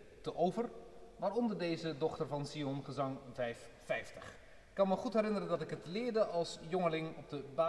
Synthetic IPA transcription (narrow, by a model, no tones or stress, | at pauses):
təʔowvərmaːɾɔndəɹdejzədɔχtəɹvɑnsiɔnχəzɑŋvɛjf | fɛjftəχ | ɪkːɑnməχutɦɛɾɪnəɾəndɑtɪkətlɪːɹdəʔɑlˠsjɔŋəlɪŋɔb̚dəba